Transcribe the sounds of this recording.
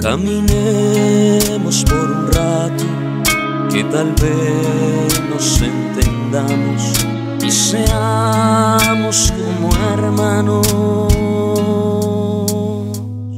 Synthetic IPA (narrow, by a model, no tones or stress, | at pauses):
ka̰mĩne | mospeɾunrat̪ʊ | ket̪alβe | nosent̪end̪amos | isea | moskomoeɾmãno